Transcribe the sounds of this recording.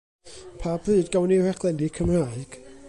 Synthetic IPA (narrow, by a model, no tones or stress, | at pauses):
pʰabrɨːdɡawnihɛχʰlˠɛndikʰəmraːɨɡ̥